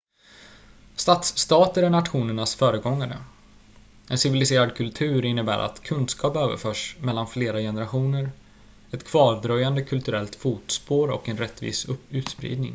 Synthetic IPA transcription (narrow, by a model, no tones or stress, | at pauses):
st̪at̪st̪ɑːt̪əɾæɳat̪ɧuːnəɳasfœːɾəɡɔŋːaɾə̰ | ɛnsɪvɪlɪseːɾad̪kʰɵlt̪ʰʉ̟ːɾɪnːəbæ̰ːɾʔa̰t̪kʰɵnd̪skʰɑːpøːvə̰ɾfœːʂmɛlːanfleːɾajɛnəɾaɧuːnəɾ | ɛt̪kʰv̥ɑːɾd̪ɾœjand̪əkʰɵlt̪ɵɾɛlt̪fuːt̪spoːɾɔ̰kɛnɾɛt̪ːvḭːsɵʉ̟ːt̪spɾḭːd̪nɪ̰ŋ